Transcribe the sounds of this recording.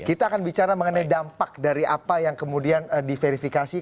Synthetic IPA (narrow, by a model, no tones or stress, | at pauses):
kit̪aːkanbit͡ʃaɾaməŋənajdampak̚daɾiʔa̰pajaŋkəmudiandifeɾifikasi